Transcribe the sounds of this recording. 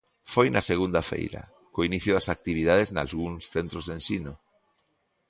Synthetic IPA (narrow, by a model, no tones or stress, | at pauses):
fojnɐseɣ̞und̪ɐfḛjɾɐ̰ | koiniθjʊðɐsak̚t̪iβ̞iðað̞ezna̰lɣuŋsθent̪ɾozðensino